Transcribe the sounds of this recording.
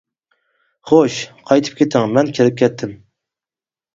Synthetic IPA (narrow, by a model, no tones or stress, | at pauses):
χoʃqʰɑjt̪ʰɨ̥p̚kʲʰet̪ʰɪŋmɛnkʲʰeɾɪp̚kʲʰɛt̪ʰːɪm